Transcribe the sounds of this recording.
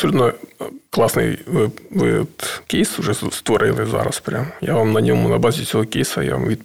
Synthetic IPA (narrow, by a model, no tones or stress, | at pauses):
ɐpsɔlʲut̪nɔklˠasnɨ̰jʋɪʋɪ̰t̪kʲejsʊʐɛst̪ʋɐɾʔɪlˠɨza̰ɾɐ̰spɾʲamjaʋamnɐnʲomʊnɐbazʲɪsʲoɦɔkʲejsɐja̰ʋa̰mʋʲit̪